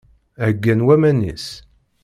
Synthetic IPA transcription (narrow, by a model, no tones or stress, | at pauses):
æɡːænwæmænḭs